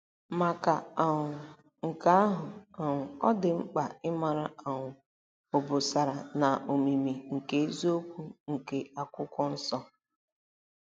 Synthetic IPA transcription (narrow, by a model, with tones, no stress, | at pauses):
ma˨ka˨a˨ʊ˨ | ŋ̩˨ka˦a˦ɦʊ˨a˨ŋʷʊ˨ɔ˦dɪ˨ŋ͡m̩˦k͡pa˨ɪ˦ma˨ɾa˦a˨ŋʷʊ˨ | ʊ˨bʊ˨sa˨ɾa˨na˨ʔo˨mi˨mi˨ŋ̩˨ke˦e˦zo˦kʷu˦ŋ̩˨ke˨a˨kʷʊ˦kɔ˦n̩˦sɔ˦